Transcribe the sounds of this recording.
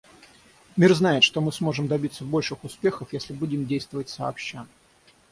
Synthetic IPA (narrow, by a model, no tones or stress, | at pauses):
mʲirznaɪt̪ʂt̪o̞mɨsmo̞ʐɨmd̪ɐbʲit̪səbo̞lʲʂɨxʊspʲe̞xəfjesʲlʲɪbudʲɪmdʲejst̪vəvətʲsɐɐpɕːa